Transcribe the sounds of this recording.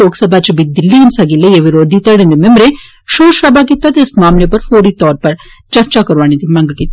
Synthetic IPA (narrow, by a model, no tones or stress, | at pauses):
oːksɐbaːt͡ʃubit̪̚d̪ilːiinsaːɡilːeeʋiɾoːd̪it̪ɐɽend̪emembɾe | ʃoːʃɾɐbaːɡit̪ːat̪esmaːmlepɐɾfoːɾiːt̪ɔːɾpɐɾt͡ʃɐɾt͡ʃaːkɐɾʋaːɳid̪imɐŋɡɐɡit̪ː